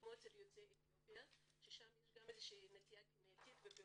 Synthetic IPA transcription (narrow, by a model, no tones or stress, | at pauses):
moseljot͡seetiopia | ʃeʃamjeʃɡamezeʃinet̪iakimnet̪it̪vebi